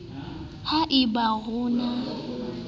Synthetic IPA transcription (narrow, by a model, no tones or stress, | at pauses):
haʔɪbaɣʊːna